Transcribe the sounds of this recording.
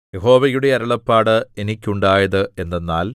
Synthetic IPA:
jeho̞ːʋɐjuɽe̞ɐɾɐɭɐpːaːɽɨe̞nikʲːuɳɖaːjɐðɨe̞nːenːaːl

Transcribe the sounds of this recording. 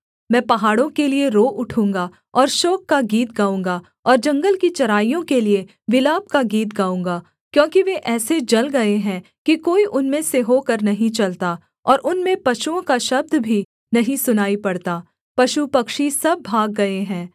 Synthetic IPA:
mɛ̃ːpɐɦaːɽõkelieɾoːʔʊʈʰũːŋɡa | ɔːɾʃoːkːaɡiːt̪ɡaːũːŋ̆ɡa | ɔːɾd͡ʒɐ̃ŋɡəlkit͡ʃɐɾaːijõkelie | ʋɪlaːb̚kaɡiːt̪ɡaːũːŋɡaː | kjõːkiʋeʔɛːsed͡ʒɐlɡɐeɦɛ̃ | kikoːiʔʊnmẽseɦoːkɐɾnɐɦĩt͡ʃɐlt̪a | ɔːɾʔʊnmẽpɐʃuõkaʃɐb̚d̪ʱbʱi | nɐɦĩsʊnaːipɐɽt̪aː | pɐʃupɐkʃisɐbːʱaːɡːɐeɦɛ̃ː

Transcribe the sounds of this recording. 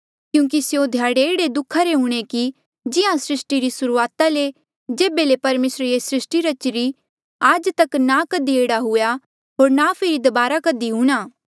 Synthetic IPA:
kjũːk̬isjod̪ʱjaːɽeeːɽed̪ʊkʰːaɾeɦʊːɽ̃eki | d͡ʒɪɦãsɾɪsʈiɾisʊɾuaːt̪ale | d͡ʒeːbelepɐɾmeːsɾejesɾɪsʈiɾɐt͡ʃɾi | ad͡ʒt̪ɐknakɐd̪ieːɽaɦʊja | ɦoːɾnapʰɪɾid̪ɐbaːɾakɐd̪iɦuːɽ̃aː

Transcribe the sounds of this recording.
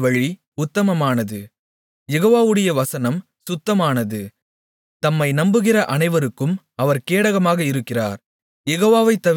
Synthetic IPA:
ʋɐɻi | ʊt̪ːɐmɐmaːnɐðɯ | jɛɣoːʋaːʋɯɽɐjɐʋɐsɐnɐm | sʊt̪ːɐmaːnɐðɯ | t̪ɐmːɐɪnɐmbɯɣɪrɐʔɐnɐɪʋɐɾɯkːɯm | ɐʋɐɾkeːɽɐɣɐmaːɣɐɪɾɯkːɪra̰ːɾ | jɛɣoːʋaːʋɐɪt̪ːɐ

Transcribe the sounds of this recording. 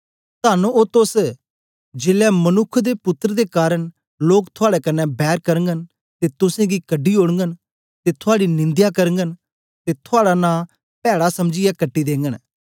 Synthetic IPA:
t̪aːnuot̪ʊs | d͡ʒeːlɛːmənʊkʰːd̪epʊt̪ːɾəd̪eːkaːɾəɳ | loːkt̪ʰʊaːɽɛkənːɛ̃bɛːɾkəɾŋɡən | t̪eːt̪ʊsẽːɡiːkəɖiːoːɽəŋɡən | t̪eːt̪ʰʊaːɽinɪ̃nd̪jakəɾəŋɡən | t̪eːt̪ʰʊaːɽanãː | pɛːɽasɐmd͡ʒɪjakəʈːiːd̪ẽːŋɡən

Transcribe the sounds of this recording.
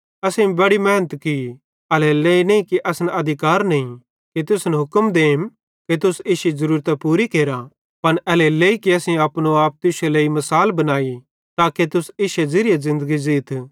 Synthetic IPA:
ɐsẽbɐɽimɛːnət̪ki | ɐleleːinɐĩkiʔɐsnɐd̪ʱɪkaːɾnɐĩ | kit̪ʊsnɦʊkəmd̪eːm | ket̪̬ʊseːʃezɐɾuːɾt̪apuːɾikeːɾa | pɐnɐleleːikiɐsĩɐːpnoaːp̚t̪ɪʃeleːimɐsaːlbɐnaːi | t̪aːket̪ʊseːʃezɪɾɪjazɪ̃nd̪əɡizɪːt̪ʰ

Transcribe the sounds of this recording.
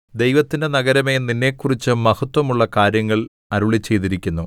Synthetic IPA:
d̪e̞jʋɐt̪ːinde̞nɐɡɐɾɐme̞ninːe̞ːkːurit͡ɕːɨmɐhɐt̪ʋɐmuɭːɐkaːɾjɐŋːɐɭ | ɐɾuɭit͡ɕːe̞jt̪̬iɾikʲːunːu

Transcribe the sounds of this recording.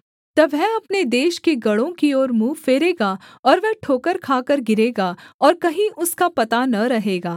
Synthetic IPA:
t̪ɐʋɛɐpned̪eːʃkeɡɐɽõkiɔːɾmuːfeːɾeːɡaɔːɾʋɛɦʈʰoːkəɾkʰaːkəɾɡɪɾeːɡaːɔːɾkɐɦĩʔʊskapɐt̪anɐɾɐɦeːɡaː

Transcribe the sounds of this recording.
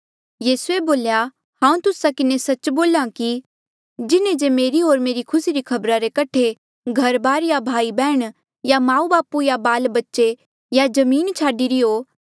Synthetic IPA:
jiːsueboːlja | hãːũt̪ʊsakɪnesɐt͡ʃboːlaki | d͡ʒɪnẽd͡ʒemeːɾioːɾmeːɾikʰʊsiɾikʰɐbɾaɾekɐʈʰe | ɡʱɐɾbaːɾjabʱaːibɛːɽ̃ | jamãːũbaːpujabaːlbɐtːʃe | jad͡ʒɐmiːnt͡ʃʰaːɖiɾiɦoː

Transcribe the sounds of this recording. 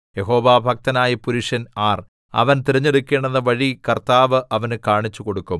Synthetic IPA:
jeɦo̞ːʋaːbʱɐk̚t̪ɐnaːjɐpuɾiʂɐnaːr | ɐ̰ʋɐnt̪iɾɐɲːeɽukʲːeːɳenːɐʋɐɻikɐrt̪aːʋɨʔɐʋɐnkaːɳit͡ɕːuko̞ɽukːum

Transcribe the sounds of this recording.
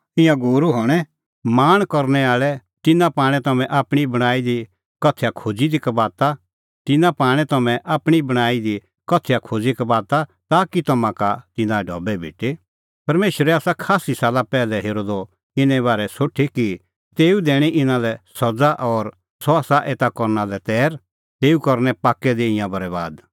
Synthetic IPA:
ɪ̃jãɡoːɾuɦɔːɽ̃ɛ | maːñkɔɾnɛaːɭɛt̪ɪnãpaːɽ̃ɛ̃t̪ɐmɛ̃ʔaːpɽ̃ibɐɽ̃aːid̪i | kɐt̪ʰjakʰoːd͡zid̪ikabaːt̪a | t̪ɪnãpaːɽ̃ɛt̪ɐmɛ̃ʔaːpɽ̃ibɐɽ̃aːid̪i | kɐt̪ʰːejakʰoːd͡zikabaːt̪at̪aːkit̪ɐmãkat̪ɪnãɛɖʱɔbɛbʱɪ̰ːʈe | pɐɾmeːʃəɾɛaːsakʰaːsisaːlapɛːlɛɦeːɾoːd̪ɔ | ɪnɛ̃βaːɾɛsoːʈʰiki | t̪eːud̪eːɽ̃iʔɪnãlɛsɐd͡zaʔɔɾ | sɔaːsaʔeːt̪akɔɾnalɛt̪ɛːɾ | t̪eːukɐɾnɛpaːkːɛd̪eɪ̃jãbʱɐɾɛba̰ːd̪

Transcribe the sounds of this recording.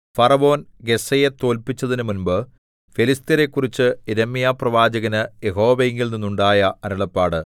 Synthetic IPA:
fɐrɐʋo̞ːnɡe̞sɐje̞t̪o̞ːlpit͡ɕːɐðinɨmunbɨ | felist̪ɐɾe̞kːurit͡ɕːɨiɾɐmːijaːprɐʋaːd͡ʑɐɣɐnɨjeɦo̞ːʋeeŋɡilninːuɳɖaːjɐɐɾɐɭɐpːaːɽɨ

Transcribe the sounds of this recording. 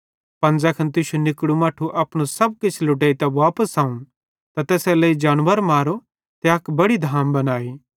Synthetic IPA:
pɐ̃nd͡zɐkʰɐnt̪̬ɪːʃunɪkɽumaːʈʰuʔɐpɽ̃osɐb̚kɪt͡ʃʰlʊʈ̬eːit̪ɐʋaːpəsaːũ | t̪at̪ɛːsɛləid͡ʒaːɽʋəɾmaːɾo | t̪eɐkbɐɽid̪ʱaːmbɐnaːiː

